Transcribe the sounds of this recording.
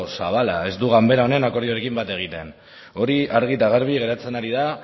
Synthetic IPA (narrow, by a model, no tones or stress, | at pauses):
saβ̞alae̞zd̪uɣambe̞ɾao̞ne̞nako̞ɾðioɾe̞kimbat̪e̞ɣ̞it̪e̞n | o̞ɾiaɾɣ̞it̪aɣaɾβ̞iɣe̞ɾat͡se̞naɾiða